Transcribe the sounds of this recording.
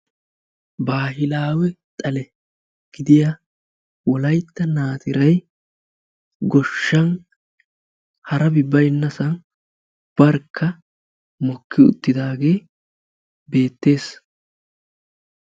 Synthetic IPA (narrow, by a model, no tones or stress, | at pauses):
baːɦɪlaːwɛt̪ʼɐlɛ | ɡ̥ɪd̪ɪja | wɔlɐjt̪ːɐnaːt̪ɪɾɐj | ɡɔʃːɐn | hɐɾɐbɪbɐjnːɐsɐn | b̥ɐɾkʰːɐ | mɔkːɪʊ̰t̪ːɪd̪aːɡe̞ː | be̞ːt̪ːe̞ːs